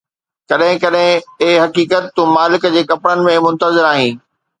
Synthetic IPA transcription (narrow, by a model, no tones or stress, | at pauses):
kɐɗɦɪ̃kɐɗɦɪ̃ɪɦɦɐkiːkət̪ːũmaːlɪkd͡ʑeːkɐpɽənɪ̆mẽmʊ̃nt̪əzɪɾaːɦĩː